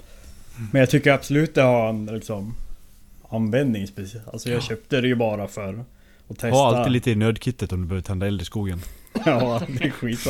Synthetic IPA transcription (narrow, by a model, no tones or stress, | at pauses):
mɛnjɑt̪ʰʏkːəɾabsɔlʉ̟ːt̪̚d̪ɛhaɾɛnlɪksɔm | anvɛnd̪nɪŋspɛsɪɛla̰lsɔjɑːɡɕøːp̚t̪əd̪ɛjɵbɑːɾafœɾ | ɔt̪ʰɛstalid̪liːt̪əɪnøːd̪kʰɪt̪ːət̪ɔmd̪ɵbøːvət̪ʰɛnd̪aɛld̪ɾɪskuːɡənɑːd̪ɛɧiːt̪sɔ